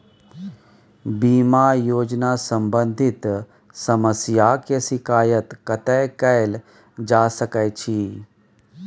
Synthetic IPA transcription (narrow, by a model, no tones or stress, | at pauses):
biːmajoːd͡ʒnasə̃mbə̃nd̪ʱɪt̪ | sɐməsjakesɪkaːjət̪kət̪ɛːkəjl | d͡ʒaːsəkɛjt͡ʃʰi